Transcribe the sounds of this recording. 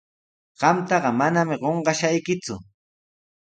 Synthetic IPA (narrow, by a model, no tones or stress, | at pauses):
ɢ̥ɑmt̪ɑɢɑmanamɪɢoɴɢɑʃajkɪt͡sʊ̰